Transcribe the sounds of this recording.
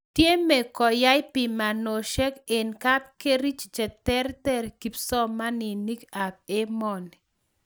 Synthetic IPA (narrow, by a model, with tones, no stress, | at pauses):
tje˦me˨kɔ˨ja˦jpɪ˨ma˨no˨ʃɛ˦ke˨nka˦p̚ke˦ɾi˦t͡ʃd͡ʒɛ˨tɛ˦ɾtɛ˦˨ɾki˨psɔ˦ma˦ni˨ni˦ka˨b̚e˦mɔ˨n˨